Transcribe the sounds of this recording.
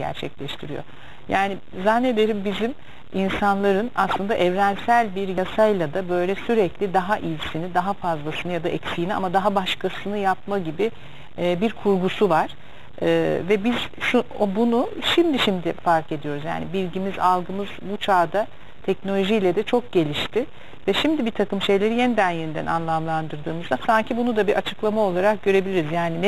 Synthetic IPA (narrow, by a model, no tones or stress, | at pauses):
ɟæ̰ɾt͡ʃʰɛclʲɛʃt̪ʰiɾijo̰ | jaːni | zanːe̞d̪e̞ɾimbizim | insanlˠaɾɯna̰slˠɯnd̪a̰ʔɛvɾænsælʲbiɾjasajlˠad̪abø̞jlʲɛsyɾɛclʲid̪aɦaʔijsinid̪aɦafazlˠasɯnɯjad̪aʔɛcsijnia̰mad̪aɦabaʃkʰasɯnɯjapmaɟibi | biɾkʰuɾɡusuvaɾ̥ː | vɛbiz̥ʃuobunuʃimd̪iʃimd̪ɪfaɾke̞d̪ijo̞ɾuzja̰ːnibilʲɟimizalˠɡɯmɯz̥but͡ʃʰaːd̪a | t̪ʰɛcnolʲo̞ʒijlʲɛd̪ɛt͡ʃʰo̞k̚ɟe̞lʲiʃt̪ʰɪ | vɛʃimd̪ibit̪ʰakɯmʃe̞jlʲe̞ɾijenid̪ænjenid̪æ̰nʔa̰nlˠamlˠand̪ɯɾd̪ɯːmɯzd̪asaɲcʰibunud̪abiɾʔat͡ʃʰɯklˠamao̞lˠaɾak̚ɟø̞ɾe̞bilʲiɾizjaːninɛ